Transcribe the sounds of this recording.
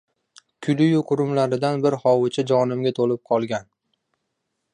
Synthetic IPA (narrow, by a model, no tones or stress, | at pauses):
kʲʰʊlʊjʊqʊɾʊmlaɾɪd̪anbɪɾhɒwɪt͡ʃʰad͡ʒɒnɪmɡʲat̪ʰolɪp̚qʰɒlˠɡʲan